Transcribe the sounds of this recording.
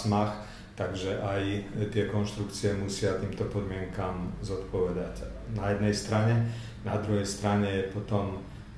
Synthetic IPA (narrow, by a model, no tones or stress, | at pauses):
max | t̪aɡʒɛʔajt̪ɪɛkɔnʃt̪ɾukt͡siɛmusɪat̪iːmt̪ɔpɔd̪mɪɛŋkamzɔt̪pɔʋɛd̪acnajɛd̪nɛjst̪ɾaɲɛ | na̰d̪ɾuɦɛjst̪ɾaɲɛjɛpɔt̪ɔm